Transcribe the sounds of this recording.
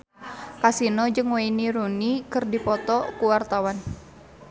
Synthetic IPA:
kasinɔd͡ʒɨŋwainiɾunikɨrdipɔt̪ɔkuwart̪awan

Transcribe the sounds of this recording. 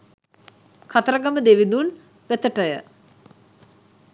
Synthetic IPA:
kʰat̪əɾəɡaməd̪eʋid̪un | ʋet̪əʈəjə̰

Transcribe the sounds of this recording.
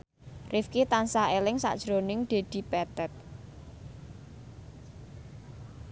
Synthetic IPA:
rʔɪfkit̪ansaelɪŋsa̰ʔd̥ʒ̥ɾonɪŋd̪̥e̤d̪̥i̤pɛt̪ɛt̪̚

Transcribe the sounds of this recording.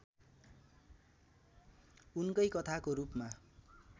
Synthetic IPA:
unkʌjkʌt̪ʰakoɾupma

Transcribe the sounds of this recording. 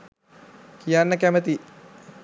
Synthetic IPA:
kijanːəkæmət̪i

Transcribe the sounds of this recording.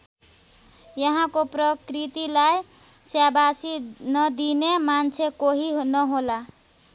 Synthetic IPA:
jʌɦãkoprʌkrit̪ilajsjabasinʌd̪inemant͡sʰekoɦiɦnʌɦola

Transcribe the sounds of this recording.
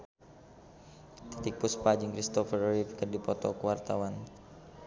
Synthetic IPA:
t̪it̪ik̚puspad͡ʒiŋkɾist̪ɔfərɾipikərdipɔt̪ɔ̰kəwart̪awan

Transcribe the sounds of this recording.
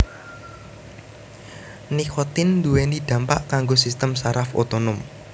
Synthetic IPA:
nikʰɔt̪ɪnd̪uwenid̪̥ä̤mpa̰ʔkaŋɡosist̪əmsaɾafo̰t̪onʊm

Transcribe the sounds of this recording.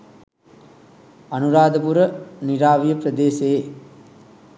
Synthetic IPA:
anuɾaːd̪əpuɾəniɾaːʋijəprəd̪eːseː

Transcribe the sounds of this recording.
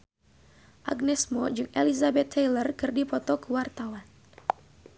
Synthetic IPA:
ʔa̰ɡ̚nɛsmɔd͡ʒɨŋʔḛlizabɛt̪ʰːɛjlərkɨrdipɔt̪ɔkuwart̪awan

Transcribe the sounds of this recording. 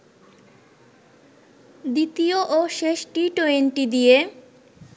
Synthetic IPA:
d̪it̪ioʔoʃeʃʈiʈoenʈid̪ije

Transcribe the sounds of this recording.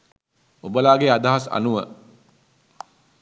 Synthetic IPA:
ubəlaːɡead̪aɦasa̰nuʋə

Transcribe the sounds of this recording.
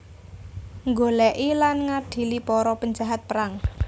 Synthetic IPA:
ŋɡolɛʔilanŋaɖ̥i̤lipɔɾɔpəɲd͡ʒaɦat̪̚pəɾaŋ

